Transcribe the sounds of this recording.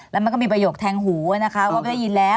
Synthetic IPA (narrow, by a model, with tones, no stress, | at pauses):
lɛ˦˥ma˧nk̬ɔ˥˩miː˧p̬ɾa˧joː˨˩k̚t̪ʰɛː˧ŋɦuː˩˦a˧˩na˦˥kʰa˦˥˧waː˥˩a˧˦la˥˩ji˧nlɛː˦˥